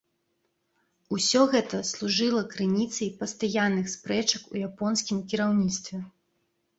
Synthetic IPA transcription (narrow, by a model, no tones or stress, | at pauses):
usʲɔɣɛt̪ɐslˠuʐɨlˠɐkɾɨnʲit̪sɐjpɐst̪ajanːɨxspɾɛt͡ʂɐkṵjapɔnsʲkʲimkʲiɾawnʲit̪st̪vʲɛ